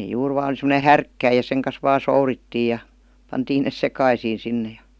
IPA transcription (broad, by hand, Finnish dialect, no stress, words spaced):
juːr ʋɑːn semə̆ne hærkːæij jɑ seŋ kɑs ʋɑː souritːiː jɑ pɑntiːn nes sekɑisiː sinːe jɑ̥